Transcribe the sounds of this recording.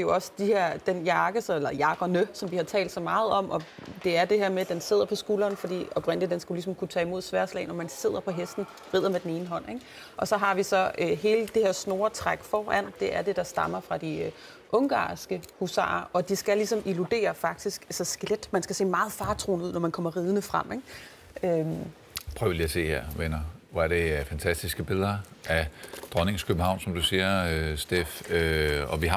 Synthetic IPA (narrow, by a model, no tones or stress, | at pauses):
d̥e̝jo̝ɒ̽sd̥iheɐ̰d̥enjɑ̈ːɡ̥əsɒelɐjɑ̈ːɡ̥ɒnøsɒ̽mʋihɑ̈t͡sʰɛ̰ːld̥sɒ̽mɑ̈ːð̞̩ˠɒ̽m̰ɒ̽d̥e̝æɐd̥e̝ɦeɐ̰med̥ense̝ð̰ˠɐpʰɒ̽sɡ̥uːlɐːnfɒ̽d̥ḭːɒb̥ʁɛn̰dlid̥ensɡ̥ælisɒ̽mkʰut͡sʰɛ̰ːimo̝ð̰ˠsʋæɐslɛ̰ɪnɒmænse̝ð̰ˠɐpʰɒ̽ɦesd̥n̩ | ʁið̰ˠɐmed̥ene̝ːnəɦɒ̽n̰eɡ̥ | ʔɒ̽sɒ̽ɦɑ̈ʋisɒ̽øɦe̝ːləd̥e̝he̝ɐ̰sno̝ːɐt͡sʰʁaɡ̥fɒːʔæn̰d̥e̝ʔæɐd̥e̝d̥ɑ̈sd̥ɑ̈mɐfʁɑ̈d̥i | ʔɔ̽ŋɡ̥ɑ̰̈ːsɡ̥əhusɑ̰̈ːɐɒ̽d̥isɡ̥ælisɒ̽mʔilud̥e̝̰ːɐfɑ̈ɡ̥̚d̥isɡ̥æsɐsɡ̥led̥mænsɡ̥æse̝̰ːmɑ̈ːð̩ˠfɑ̈ːt͡sʰʁo̝̰ːnuð̞̰ˠnɒmænkʰɒ̽m̰ɐʁiːð̞ˠənəfʁam̰eɡ̥̚ | øm | pʰʁœʊliæse̝̰ːheɐ̰ʋenɐʋɒæɐde̝æɐfænt͡sʰæsd̥isɡ̥əb̥e̝lˠɐʔæd̥ʁɒne̝ŋskʰøb̥n̩hɑ̈ʊnsɒ̽md̥usiːɐøsd̥ḛføɒ̽ʋi